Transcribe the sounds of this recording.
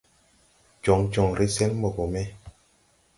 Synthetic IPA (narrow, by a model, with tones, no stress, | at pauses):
d͡ʒɔ˨ŋt͡ʃɔ˨ŋɾi˦sɛ˦nmo˨bo˨mɛ˦